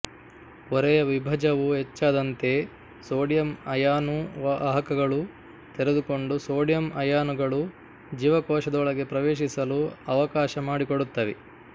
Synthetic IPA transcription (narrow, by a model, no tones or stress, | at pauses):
ɔɾɛjɐʋibʱɐd͡ʒɐʋuɦet͡ʃːaːd̪ɐnt̪e̞ | soːɽjɐmɐjaːnuʋɐɦɐkɐɡɐɭu | t̪eɾe̞d̪uko̞ɳɖusoːɽjɐmɐjaːnuɡɐɭu | d͡ʒiːʋɐkɔːʃɐd̪ɔɭɐɡe̞pɾɐʋeːʃisɐluɐʋɐkaːʃɐmaːɽikoɽut̪ːɐʋe